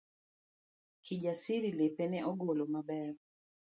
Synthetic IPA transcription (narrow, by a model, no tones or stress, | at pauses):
kʰid͡ʒasiɾilepenɛʔɔɡolomabɛr